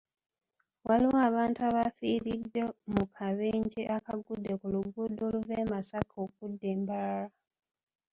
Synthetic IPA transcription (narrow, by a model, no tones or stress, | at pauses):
waliwaβaːntuaβafiːɾidːe̞mukʰaβeːɲɟeʔakaɡudːe̞kuluɡudoluveːmasakʰok̚udːe̞ːmbalala